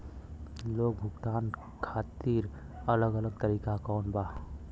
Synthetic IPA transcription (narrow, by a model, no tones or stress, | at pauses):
loːɡ̚bʱʊɡt̪aːn | kʰaːt̪iːɾ | ələɡələɡ̚t̪əɾiːkakɔːnbaː